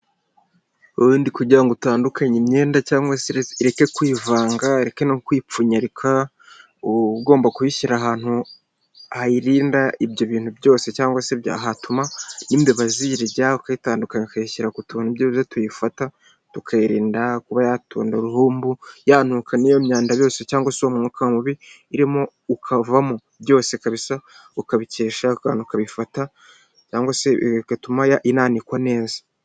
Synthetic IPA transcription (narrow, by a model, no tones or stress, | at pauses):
ujuːndikuɟiɾaŋɡotaːndukʰaɲemɲe̞ːndacaːŋɡwaseiɾe̞ke̞kwiːvaːŋɡaɾekenokwiːp͡fuɲaɾikʰa | uɡo̞ːmbakuhiçiɾaɦaːn̥hu | ahaiɾiːndaʔibjo̞βiːn̥hubjo̞ːse̞caːŋɡwasebja̰ɦatumaniːmbeβaziɾiɟaukaitaːndukaɲekaiʃiɾakutuːn̥ubjoβzetujifata | tukʰaiɾḭːndakuβajatṵːndaɾuhuːmbujaːnuːkʰanijomɲaːndaβjo̞ːsecaːŋɡwaseomumukamuβiː | ɾimo | ukʰavamo | bjo̞ːse̞kaβisa | ukaβice̞ːʃauka̰nukaβifata | caːŋɡasekatumajaʔinaːnikwane̞ːzḁ